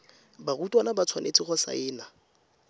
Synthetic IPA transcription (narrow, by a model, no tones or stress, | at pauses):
barutʼwanabat͡sʰwanʔḛt͡sʼiχɔsa̰ɪːna